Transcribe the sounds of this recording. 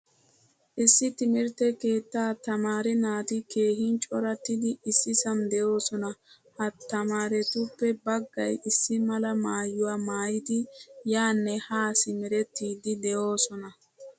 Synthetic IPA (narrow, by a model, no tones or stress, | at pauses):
ʔɪsːɪt̪ɪmɪɾt̪ɛke̞ːt̪ːaːt̪ɐmaːɾɛnaːt̪ɪke̞ːhɪnt͡ʃʼɔɾɐt̪ːɪd̪ɪɪsːɪsɐmd̪ɛjo̞ːsɔnɐ | hɐt̪ːɐmaːɾɛt̪ʊpːɛbɐɡːɐjɪsːɪmɐlɐmaːjʊwaːmaːjɪd̪ɪjaːnːɛhaːsɪmɛɾɛt̪ːiːd̪ɪd̪ɛjo̞ːsɔnɐ